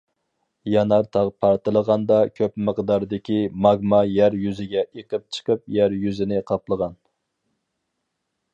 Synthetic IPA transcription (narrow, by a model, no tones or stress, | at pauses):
jɑnɑɾt̪ʰɑʁpʰɑɾt̪ɨlˠəʁɑnd̪ɑkʲʰøpməqd̪ɑɾd̪ɪkʲimɑɡmɑjæɾjyzɪɡʲɛeqəp̚t͡ʃʰə̥qəp̚jæɾjyzɪnɪqʰɑplˠəʁɑn